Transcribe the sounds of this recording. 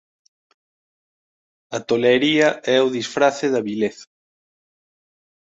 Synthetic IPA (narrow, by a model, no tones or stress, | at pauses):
ɐt̪oleɾiɐɛuðisfɾaθeðɐβileθḁ